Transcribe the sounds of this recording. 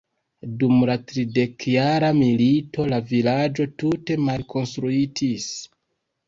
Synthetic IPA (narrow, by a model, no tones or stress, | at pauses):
dumlatɾide̞kjaɾamilito̞lavilad͡ʒo̞tute̞malkʰo̞nstɾuitʰis